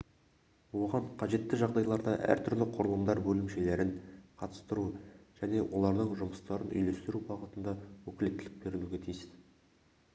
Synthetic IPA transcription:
wo̞ʁɑɴqʰɑʒe̞t̪ːɪʒɑʁd̪ɑjlˠɑɾd̪ɑʔæ̰ɾt̪ʰʏɾlɪqʰʊɾəlˠəmd̪ɑɾbɵlɪmʃe̞le̞ɾɪŋqʰɑt̪ə̥st̪əɾuʒ̥æne̞wʔo̞lˠɑɾd̪əɴʒʊməst̪ɑɾənʔʏ̰jle̞st̪ɪɾubɑʁət̪ənd̪ɑwɵkʲɪle̞t̪ːɪlɪk̚be̞ɾɪluɡʲe̞t̪ʰijsɪz̥

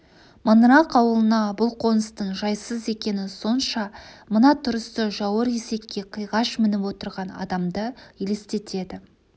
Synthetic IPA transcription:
mɑnɾɑqɑwəlˠənɑbʊlˠqʰo̞nəst̪əɴʒɑjsəze̞kʲe̞nɪso̞nʃɑmənɑt̪ʰʊɾəst̪əʒɑwəɾe̞se̞kʲːe̞qʰəjʁɑʃmɪnɪpwo̞t̪əɾʁɑnɑ̰d̪ɑmd̪əele̞st̪e̞t̪ʰe̞d̪ɪ

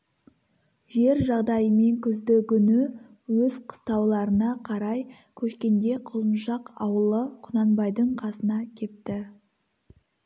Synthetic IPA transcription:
ʒe̞ɾʒɑʁd̪ɑjəme̞ŋkʲʰʏzd̪ɪkʲʏnɪ | wɵzqʰə̥st̪ɑwlˠɑɾənɑqʰɑɾɑj | kʲʰɵʃkʲe̞nd̪e̞qʰʊlˠənʃɑqɑwəlˠəqʰʊnɑnbɑjd̪əɴqʰɑsənɑkʲʰe̞pt̪ɪ

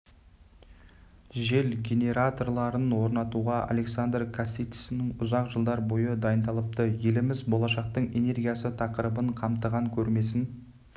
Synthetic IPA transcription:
ʒe̞lɡʲe̞ne̞ɾat̪o̞rlˠɑɾənwo̞ɾnɑt̪uʁɑʔa̰le̞ksand̪rkʰasit̪i̥snɪŋʊzɑqʒəlˠd̪ɑɾbo̞jəd̪ɑjənd̪ɑlˠəp̚t̪əje̞lɪmɪzbo̞lˠɑʃɑq̚t̪əɴe̞ne̞rɡʲijasət̪ʰɑqəɾəbəɴqʰɑmt̪əʁɑŋkʲʰɵɾme̞s̬ɪn

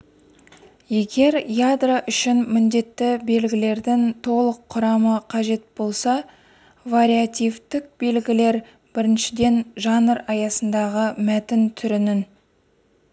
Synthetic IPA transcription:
je̞ɡʲe̞ɾjad̪raʔʏʃɪnmɪnd̪e̞t̪ːɪbe̞lɡʲɪle̞ɾd̪ɪŋt̪ʰo̞lˠəqʰːʊɾɑməqʰɑʒe̞t̪̚bo̞lˠsɑ | vaɾʲijat̪ʲijft̪ɪk̚be̞lɡʲɪle̞ɾ | b̥ɪɾɪnʃɪd̪e̞nʒɑnəɾɑjɑsənd̪ɑʁəmæt̪ɪnt̪ʰʏɾɪnɪn

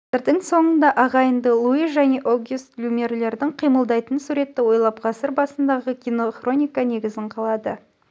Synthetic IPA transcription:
ɪɾd̪əŋso̞ɴənd̪ɑʔɑʁɑjənd̪əlˠuiʒæne̞ʔoɡust̪lʲumʲe̞rle̞ɾd̪ɪɴqʰijməlˠd̪ɑjt̪ənsuɾe̞t̪ːɪwo̞jlˠɑpqʰɑsəɾbɑsənd̪ɑʁəkʲino̞χro̞nʲijkane̞ɡʲɪzɪɴqʰɑlˠɑd̪ə

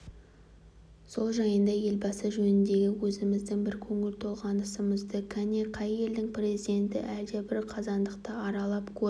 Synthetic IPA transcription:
so̞lˠʒɑjənd̪ɑje̞lbɑsəʒɵnɪnd̪e̞ɡʲɪwɵzɪmɪzd̪ɪŋbɪɾkʲʰɵŋɪlt̪ʰo̞lˠʁɑnəsəməzd̪əkʲʰæneqʰɑjːe̞ld̪ɪŋpre̞zijd̪e̞nt̪ɪ̰ʔæɾd̪ebɪɾqʰɑzɑnd̪əqt̪əɑɾɑlˠɑpkʲʰɵ

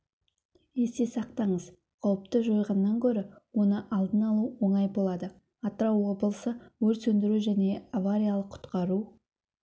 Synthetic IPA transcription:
je̞st̪esɑq̚t̪ɑɴəz | qʰɑwəp̚t̪əʒo̞jʁɑnːɑŋkʲʰɵɾɪwo̞nəʔɑlˠd̪ənɑlˠuwo̞ɴɑjbo̞lˠɑd̪ə | ɑt̪əɾɑwːo̞bəlˠəsəwɵɾsɵnd̪ɪɾuʒæne̞avaɾʲijalˠəqʰːʊ̥t̪qɑɾu

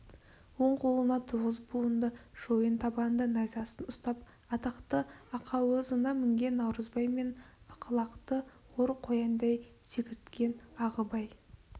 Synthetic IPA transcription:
wo̞ɴqʰo̞lˠənɑt̪ʰuʁəzbuənd̪əʒ̥o̞jənt̪ʰɑbɑnd̪ənɑjzɑsənʊst̪ɑp̚ | ɑt̪ɑqt̪əɑqʰɑwəzənɑmɪŋɡʲe̞nːɑwɾəzbɑjme̞nɑqʰəlˠɑqt̪ə | woɾqʰo̞jɑnd̪ɑjsekʲɪɾɪt̪kʲe̞nɑʁəbɑj

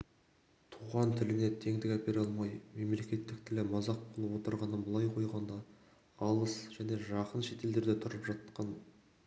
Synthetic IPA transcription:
t̪ʰuʁɑnt̪ʰɪlɪne̞t̪ʰe̞ŋd̪ɪkʲæpeɾɑlˠmɑjme̞mle̞kʲe̞t̪ːɪk̚t̪ʰɪlɪmɑzɑq̚bolˠəpwo̞t̪əɾʁɑnənbəlˠɑjqʰo̞jʁɑnd̪ɑ | ɑlˠəsʒ̥æne̞ʒɑqənʃe̞t̪e̞ld̪e̞ɾd̪et̪ʰʊɾəpʒɑt̪qɑn

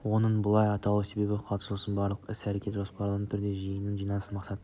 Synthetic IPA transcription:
wo̞nəɴbʊlˠɑjɑt̪ɑlˠuse̞be̞bɪqʰɑlˠt̪ə̥slˠəsənbɑɾlˠəqɪsæɾekʲe̞t̪ʒo̞spɑɾlˠəʁt̪ʰʏɾd̪e̞ʒijənənʒijnɑlˠəsəmɑqsɑt̪ə

